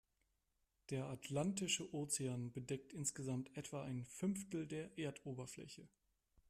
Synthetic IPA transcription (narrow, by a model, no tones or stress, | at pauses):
d̥eːɐatʰlantɪʃəʔoːt͡seaːnbədɛk̚tʔɪnsɡ̥əzamtʰʔɛtv̥aːʔaɪnfʏnftl̩deːɐʔeːɐtʰoːbɐflɛ̰çə